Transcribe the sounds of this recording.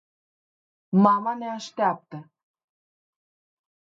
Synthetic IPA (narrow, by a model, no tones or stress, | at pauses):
mɑmɑnæʃt̪ʲɑp̚t̪ə̆